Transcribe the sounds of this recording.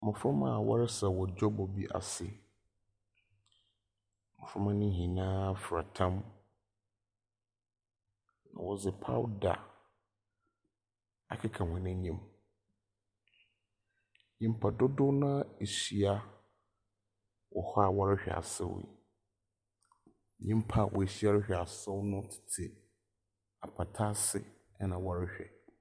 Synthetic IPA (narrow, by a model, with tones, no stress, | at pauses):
mʊ̃˨fɾʊ̃˦mã̰˦˨wɔ̰˦ɾɪ˦sɛ˨wɔ˨d͡ʑɔ˦bɔ˨bi˦ʔa̰˨sɪ˨ | mʊ̃˨fɾʊ̃˦mã˦nɪ̃˦hĩ˨nãː˦fɾa˨tʰã˦m | nã̰˨wɔ˨d͡zɪ˨pʰa̰˦wda̰˨ | a˨kʰɪ˦kʰã˨hɛ̃˨nã˦ɲĩ˦˨m | ɲĩ˨m̩˦pʰa˨dʊ˦dʊ˦nã˦e˨si˨a˦ | wɔ˨hɔ˦a˨wɔ˦ɾɪ˦ɕᶣɛ̰˨a̰˨sɛ̰˦wḭ˨ | ɲĩ˦m˦pʰa˦˨wʔɔ̰˨e˨ɕi˦a˦ɾɪ˦ɕᶣɛ˨a˨sɔ˦wnʊ̃˦tʰɪ̥˨tʰɪ˨ | a˨pʰa˨tʰa˦sɪ̰˦ | ɛ˦nã˨wɔ˦ɾɪ˦ɕᶣɛ̰˨